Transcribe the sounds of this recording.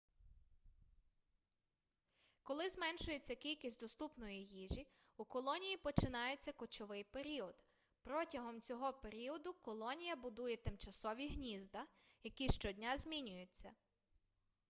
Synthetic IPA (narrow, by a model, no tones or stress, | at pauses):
kɔlˠɪzmɛnʃʊje̞t͡sʲːɐkʲilʲkʲisʲtʲd̪ɔst̪upnɔjijiʒi | ukɔlˠɔnʲijipɔt͡ʃɪnɑjet͡sʲːɐkɔt͡ʃɔʋɪjpe̞ɾʲiɔd̪̥ | pɾɔtʲɐɦɔmt͡sʲɔɦɔpeɾʲiɔd̪ʊkɔlˠɔnʲijɐbʊd̪ujɛt̪ɪmt͡ʃɐsɔʋʲiɦnʲizd̪ɐjɐkʲiʃt͡ʃɔdʲnʲazʲmʲinʲʊjʊt͡sʲːɐ